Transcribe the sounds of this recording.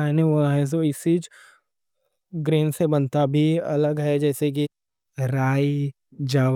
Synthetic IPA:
ɛːneoaɦɛ̃s̬oɪsid͡ʒ | ɡɾeːnsebɐnt̪abʱiɐ̰ləɡɦɛd͡ʒɛːsek̬i | ɾaːi | d͡ʒaː

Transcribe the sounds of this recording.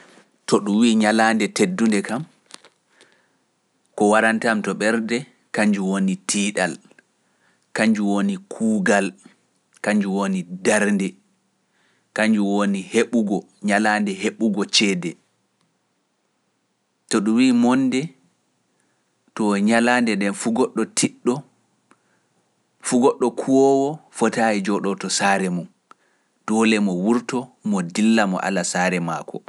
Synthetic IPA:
toɗuwiːɲalaːndɛtedːundɛkam | kɔwaɾantamtɔɓɛɾdɛ | kaɲd͡ʒuwonitʰiːɗal | kaɲd͡ʒuwonikʰuːɡal | kaɲd͡ʒuwonidaɾndɛ | kaɲd͡ʒuwoniheɓuɡɔ | ɲalaːndɛɦeɓuɡɔt͡ʃɛːdɛ | tɔɗuwiːmɔndɛ | tɔɲalandɛdɛnfuɡɔɗːɔtʰiɗːɔ | fuɡɔɗːɔkʰuwɔwɔfɔtaid͡ʒɔɗɔtɔsaːɾɛmum | d̥ɔːlɛmɔwuɾtɔmɔdilːamɔ̰ʔa̰lasaːɾɛmaːkʰɔ

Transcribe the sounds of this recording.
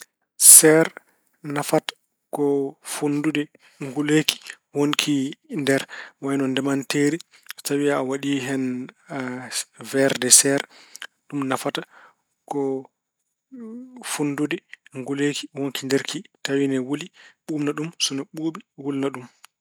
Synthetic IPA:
sɛɾ | nafatḁ | kɔfundudɛ | ŋɡuleki̥ | woŋkʰindɛɾwajnɔndɛmanteːɾi | sawiawaɗiːɦɛn | vɛɾdɛsɛɾɗumnafata | kɔ | funːdudɛŋɡulekiwoŋkindeɾkʰitawinɛwuliɓumnaɗumsɔnɛɓuːɓiwulnaɗum

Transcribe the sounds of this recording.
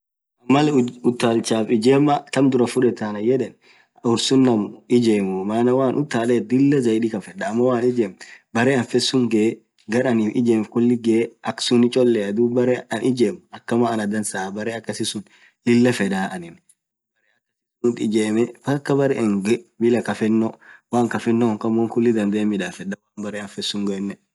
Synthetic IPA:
ɐmːɐlɛʊt̪ːaːlt͡ʃaːfɪd͡ʒeːmːɐt̪ɐmd̪ʊɾɐfʊᶑɛt̪aːnɐjɛᶑɛn | ʊɾsʊnːɐmɪd͡ʒeːmʊmaːnɐwaːnʔʊt̪ːaːleːt̪̚d̪ɪlːɐzɐjɗiːkɐfɛᶑɐːmːɔwaːnɪd͡ʒeːmbɐɾeːɐnfɛsːʊŋɡɛ | ɡɐɾɐniːfɪd͡ʒeːmfkʊlːɪɡeʔɐksʊnɪt͡ʃʼɔlːɛɐd̪uːbɐɾeɐnʔɪd͡ʒeːmʊɐkːɐmaːnɐd̪ɐnsaːbɐɾeːɐkːɐsɪsʊn | lɪlːɐfɛd̪aːʔɐnɪn | bɐɾeːɐkːɐs | nʊt̪ɪd͡ʒeːmɛbɐkːɐbɐɾeʔɛŋɡɛbɪlɐkɐfɛnːɔwaːŋkɐfɛnːɔŋkɐmːɔŋkʊlːɪd̪ɐnd̪eːmːɪᶑaːfɛᶑːɐwaːnbɐɾeːɐnfɛsːʊŋɡɐɛnːɛ

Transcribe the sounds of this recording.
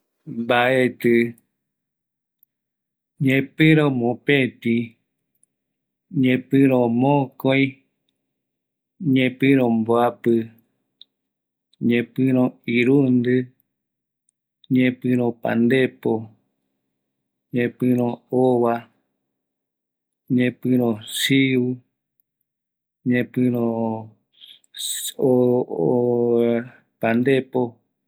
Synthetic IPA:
mbaet̪ɨ | ɲẽpɨ̃ɾ̃õmõpẽt̪i | ɲẽpɨ̃ɾ̃õmõkoj̃ | ɲẽpɨ̃ɾ̃õmboapɨ | ɲẽpɨ̃ɾ̃õiɾund̪ɨ | ɲẽpɨ̃ɾ̃õpã̰nd̪epo | ɲẽpɨ̃ɾ̃õoβa | ɲẽpɨ̃ɾ̃õsiwɨ | ɲẽpɨ̃ɾ̃õ | o | pand̪epo

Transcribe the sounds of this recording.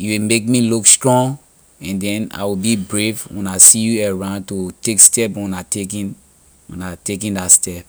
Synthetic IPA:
juwimek̚milukstɹɔ̃ŋ | ɛ̃ndɛ̃na̰ɪwibibɹefũnasijuɛɹãʊ̃ndtotekstɛpũnatekĩn | ũnatek̬ĩndatstɛp̚

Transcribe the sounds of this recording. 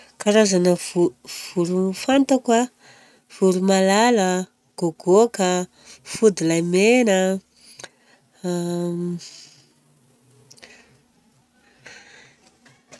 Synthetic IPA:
kaɾazanəvuv̥uɾufant̪akwa | v̥uɾumalalə | ɡ̥oɡokə | fud̪ilajmenə

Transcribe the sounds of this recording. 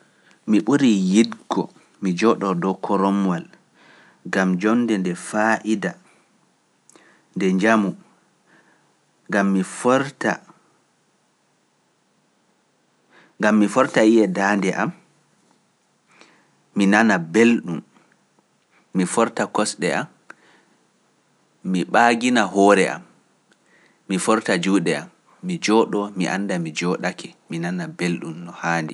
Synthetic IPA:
miɓuɾijidɡɔ̰ | mid͡ʒɔɗɔdɔkʰɔɾɔmwal | ɡamd͡ʒɔnːdɛndɛfaʔida | ndɛɲd͡ʒamu | ɡamːifɾta | ŋɡamːifɔɾtaijɛdaːndɛʔa̰m | inanabelɗum | ifɔɾtakɔsɗɛam | iɓaːɡinaɦɔːɾɛʔa̰m | ifɔɾtad͡ʒuːɗɛamː | id͡ʒɔɗɔmiʔa̰ndamid͡ʒɔɗakɛminanabelɗumnɔhaːndi

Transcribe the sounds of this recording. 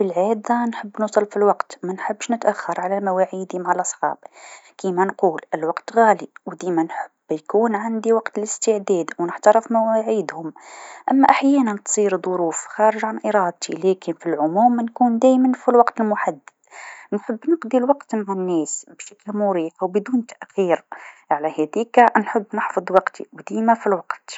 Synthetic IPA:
filʕid̪ɑnħəbːnusˤɑlfilwɑqt̪mænħəbːʃnət̪ʔæxːɑɾˤʕalæmæwaʕid̪imaʕalʔɑsˤħɑ̰ːb̥kimænqulʔəlwɑqt̪ɣæliwd̪imænħəb̥ːjkuːnʕand̪iwɑqt̪ələst̪əʕd̪æd̪wnəħt̪ɑɾəfmæwæʕid̪hʊmʔæmːæʔaħjænænt̪sˤiɾd̪ˤoɾufxɑɾəʒʕanʔiɾˤɑːd̪̚t̪ʰilækənfilʕʊmuːmnkund̪æjmænfilwɑqt̪əlmʊħad̪ːəd̪nħəbːnəqd̪ˤilwɑqt̪maʕanːæːsbʃæklmʊɾiːfwbd̪uːnt̪aʔxiɾʕalæhæd̪ikænħəbːnəħfɑd̪ˤwɑqt̪ḭwd̪imæfilwɑqt̪

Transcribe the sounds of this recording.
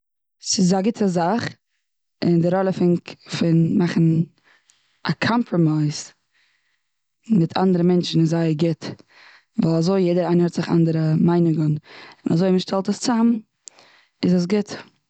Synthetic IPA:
sɪs̬aɡɪtʰəzaχ | ɪndɪɾɔlˠəfɪŋkfɪnmaχn̩ | akʰɔmpʰɾɔmaɪs | mɪtʰa̰ndəɾəmɛnt͡ʃn̩ɪzaɪəɡɪt | vaːlˠazoɪjeɪdəɾaɪnəhɛtz̥ɪχa̰ndəɾəmaɪnɪɡənɪnʔa̰zoɪməʃtʰɛlˠtəst͡sam | ɪzəs̬ɡɪt

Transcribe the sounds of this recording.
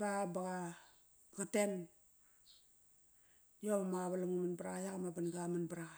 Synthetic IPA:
babaɡa | ɡaten | joβamaβalamumanbaɾajakamabanɡamanbaɾa

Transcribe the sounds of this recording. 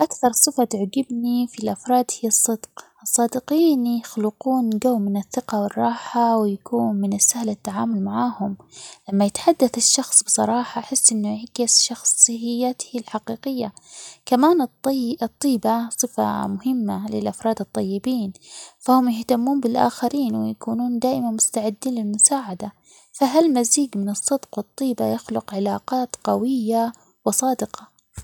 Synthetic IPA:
ʔakθɑɾˤsˤɨfat̪ʕɡɪbnifilʔafɾˤɑːd̪hɪjːɑsˤːɨd̪qʔɨsˤːɑːd̪ɪqiːnjʊxlʊquːnɡawːmɪnɪθːɪqɑwɪrˤːɑːħawɪjakuːnmɪnɪsːahlɪt̪ːaʕaːmʊlmaʕaːhʊmlamːajɪt̪ħad̪ːaθɪʃːɑxsˤbɨ̥sˤɑɾˤɑːħaħɪsːʔɪnːʊʕakɪsʃɑxsˤhɪjːat̪hilħaqiːqɪjːakamaːnɨt̪ˤːiːbasˤɨfa̰mʊhɪmːalɪ̰lʔafɾˤɑːd̪ɨt̪ˤːɑjːɪbiːnfahʊmjɪht̪amːuːnbɪlʔa̰ːxaɾiːnwɪ̰jakuːnuːnd̪aːʔɪmanmʊst̪aʕɪd̪ːiːnlɪlmʊsaːʕad̪a | faɦalmaziːɡmɪnɨsˤːɨd̪qwɨt̪ˤːiːbajaxlʊqʕɪlaːqɑːt̪qɑwɪjːa | wɪsˤɑːd̪ɪqɑ

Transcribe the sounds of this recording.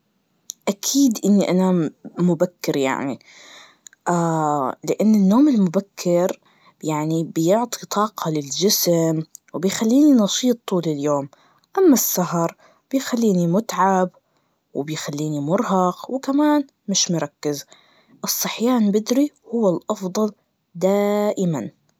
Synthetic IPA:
ʔakʰiːd̪ʔɪnːiʔanamʊbakːɪɾja̰ʕnḭ | ʔalɪʔanːɪnːoːmɪlmʊbakʰːɪɾ | jaʕnibjʊʕt̪ˤʰit̪ˤɑːqʰɑlɪld͡ʒɪsmwbɪjxalːiːninɑʃiːt̪ˤːuːlɪljoːm | ʔamːasːaɦɑɾˤ | b̥ɪjxalːiːnimʊt̪ʕab | wɪbɪjxalːiːnimʊɾɦɑqwkamaːn | mɪʃmʊɾˤɑkːɪz | ʔɨsˤːɨħjaːnbɪd̪ɾihʊwːalʔɑfd̪ˤɑl | d̪aːʔɪman

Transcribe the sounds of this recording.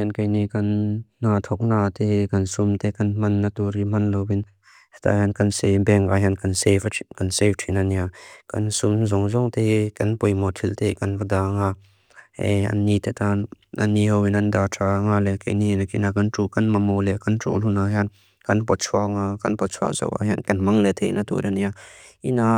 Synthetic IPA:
jɛnkɐjnikɐnːat̪ʰɔk̚nat̪ɛkɐnsumt̪ɛkɐnmɐnːat̪uɾimɐnlowin | hɛt̪ʰa̰ɦankɐnsebɛŋaɦankɐnsefʰkɐnseftʰinaniakɐ̰nsumzɔŋzɔŋt̪ɛkɐnpɔjmɔt̪ʰilt̪ɛkɐnkadaŋa | ɛɐ̰nːit̪ɛt̪an | anːihɔwinɐndatʰaŋalɛkḛjninakinakɐntukɐnmamɔlɛkɐntɔ̰ʔlunaɦan | kɐnpɔt̚t͡ʃʰuaŋakɐnpɔtt͡sʰa̰ʔza̰wʔa̰ɦankɐnmaŋlɛt̪ʰejʔnat̪ṵɾaniaina

